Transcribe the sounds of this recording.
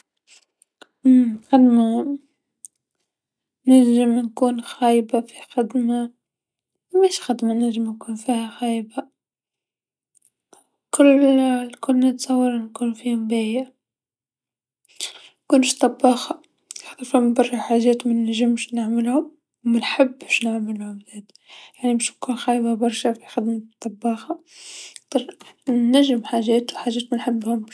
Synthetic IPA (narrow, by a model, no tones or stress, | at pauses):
ʔmxad̪ma | nɪlʒɪmnkuːnxæːjbafi̥xad̪ma | meːʃxad̪manɪlʒɪmnkuːnfiːhæxæːjba | kʊlːlkʊlːnɪt̪sˤɑwːɑɾˤnkuːnfiːhʊmbeja | kuːnʃt̪ˤɑbːɑːxɑ | ħt̪ˤɑɾfimbɑrˤːiħaːʒɛːt̪mɪnːæʒəmʃnaʕmɪlhʊm | wmænħɪbːʃnɪʕmɪlhʊmzeːt̪ | jaʕniməʃkuːnxæjbabɑɾˤʃafi̥xad̪mt̪ˤːɑbːɑːxɑt̪ˤɑɾː | æʒːɪmħaʒɛːt̪wħaʒɛːt̪mænħɪbːhʊm